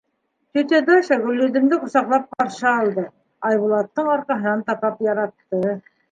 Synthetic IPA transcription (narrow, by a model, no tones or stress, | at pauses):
t̪ɵ̆t̪ed̪oʃɑɡɵ̆lːɵ̆d̪ɘ̆md̪ɘqŏsɑqlˠɑp̚qɑɾʃɑɑlˠd̪ɤ | ɑjβulˠɑt̪ːɤɴɑɾqɑɦɤ̆nɑnt̪ɑpɑpjɑɾɑt̪ːɤ